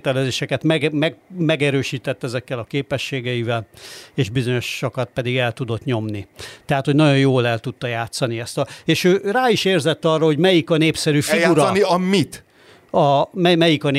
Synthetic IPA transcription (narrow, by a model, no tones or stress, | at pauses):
t̪ɛlɛzeːʃɛkɛt̪mɛɡmɛmɛɡɛɾøːʃiːt̪ɛt̪ːɛzɛkːɛlɒkeːpɛʃːeːɡɛivɛleːʒbizo̞ɲo̞ʃːokɒt̪̚pɛd̪iɡɛlt̪ud̪o̞t̪ɲo̞mnit̪ɛɦat̪ho̞ɟnɒɟo̞joːlɛlt̪ut̪ːɒjaːt̪sɒniɛst̪ɒeːʃøːraːiʃeːrzɛt̪ːɒrːoɦo̞ɟmɛjikɒneːpsɛɾyːfiɡauɾniɒmit̪ | ɒmɛmɛjikɒn